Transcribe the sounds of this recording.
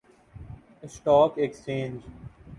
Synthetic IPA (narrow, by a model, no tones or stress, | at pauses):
sʈɔːkekst͡ʃẽːnd͡ʒ